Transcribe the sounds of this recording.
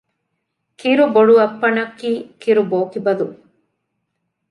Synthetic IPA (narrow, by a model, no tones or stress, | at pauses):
kiɾuboɽuɐpːɐɳɐkːikiɾuboːkibɐd̪u